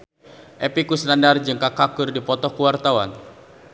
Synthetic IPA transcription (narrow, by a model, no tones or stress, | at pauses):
ʔepikusnandard͡ʒɨŋkakakʊrdipɔt̪ɔkuwart̪awan